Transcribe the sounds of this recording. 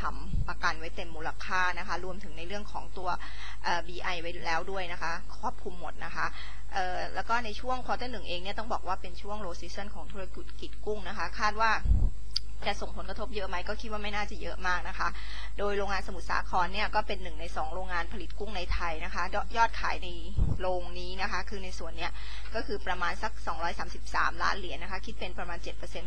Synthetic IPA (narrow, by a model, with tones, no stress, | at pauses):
t̪ʰa˧˩m | pa˧ka˧nwa˦˥jt̪e˧mːuː˧la˧kʰaː˥˩na˦˥kʰa˦˥ɾu˧əmt̪ʰɯ˩˦ŋna˧jɾɯ˥˩əŋkʰɔ̰ː˩˦ŋt̪u˧ɐ | ʔɤː˨˩biː˧ʔa˧jwa˦˥jlɛː˦˥wdu˥˩əjna˦˥kʰa˦˥kʰu˥˩əp̚kʰu˧mːo˨˩t̪̚na˦˥kʰa˦˥ʔ | ʔɤː˨˩lɛː˦˥wkɔː˥˩na˧jt͡ɕʰu˥˩əŋkʰaː˧˥t̪ɤː˥˩nɯ˨˩ŋʔeː˧ŋni˥˩ɐt̪ɔ˥˩bɔː˨˩k̚waː˥˩pe˧nt͡ɕʰu˥˩əŋɾoː˧siː˦˥sɤ˥˩nkʰɔː˩˦ŋt̪ʰuː˧ɾa˧ki˨˩t̪̚ki˨˩t̪̚ku˥˩ŋna˦˥kʰa˦˥kʰaː˥˩t̪̚waː˥˩ | t͡ɕa˨˩ʔso˨˩ŋpʰo˩˦nkɾa˧t̪ʰo˦˥p̚jɤ˦˥ʔma˦˥jkɔː˥˩kʰi˦t̪̚waː˥˩ma˥˩jnaː˥˩t͡ɕa˨˩jɤ˦˥ʔmaː˥˩k̚na˦˥kʰa˦˥ʔ | doː˧jɾoː˧ŋaː˧nsa˧mu˨˩sa̰ː˩˦kʰɔː˧nːi˥˩ɐkɔː˥˩pe˧nːɯ˨˩ŋna˧jsɔː˩˦ŋɾoː˧ŋːaː˧npʰa˧li˨˩t̪̚ku˥˩ŋna˧jt̪ʰa˧jna˦˥kʰa˦˥jjɔː˥˩t̪̚kʰaː˩˦jna˧j | ɾoː˧ŋniː˦˥na˦˥kʰa˦˥kʰɯː˧na˧jsu˨˩ənːi˦˥ɐ | kɔː˥˩kʰɯː˧pɾa˧maː˧nsa˧˩k̚sɔː˩˦ŋɾɔː˦˥jsaː˩˦msi˨˩p̚sa̰ː˩˦mla̰ː˦˥nli˨˩˦ənːa˦˥kʰa˦˥kʰi˦˥t̪̚pe˧npɾa˧maː˧nt͡ɕe˨˩t̪̚pɤː˧se˧n